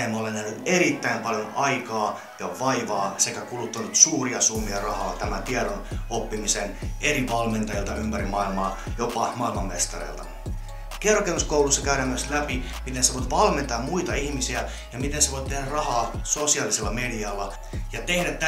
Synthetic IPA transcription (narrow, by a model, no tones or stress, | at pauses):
mːolenæhnyt̪e̞ɾit̪ːæimpɑljonɑikɑː | jɑʋɑiʋɑːse̞kækulut̪ːunut̪suːriɑsumːiɑrɑhɑːt̪æmænt̪iɛɾonopːimisene̞riʋɑlme̞nt̪ɑjilt̪ɑympæɾimɑilmɑːjopɑmɑilmɑmːest̪ɑrḛilt̪ɑ̥̰ | kerkemuskowlusːɑkæyɾæːmyøslæpimit̪enseʋojt̪ʋɑlme̞nt̪ɑːmmuit̪ɑihmisiæ | jɑmit̪enseʋo̞it̪t̪ehdærɑhɑːso̞siɑliselːɑme̞diɑlːɑ | jɑt̪e̞hɾæt̪tːæ